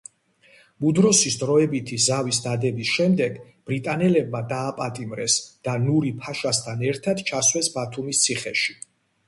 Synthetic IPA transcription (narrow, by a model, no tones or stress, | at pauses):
mud̪ɾɔsisd̪ɾɔɛbit̪ʰizavisd̪ad̪ɛbisʃɛmd̪ɛɡ | b̥ɾit̪ʼanɛlɛb̚mad̪aːpʼat̪ʼimɾɛsd̪̥anuɾipʰaʃast̪ʰanɛɾt̪ʰad̪t͡ʃʰaswɛsbat̪ʰumist̪sʰiχɛʃi̥